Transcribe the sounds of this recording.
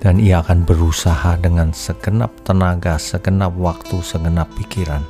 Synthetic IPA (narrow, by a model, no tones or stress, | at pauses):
d̥anijaːkanbəɾusahadəŋansəɡəna̰p̚t̪ənaɡasəɡənap̚wak̚t̪usəɡənapːikiɾan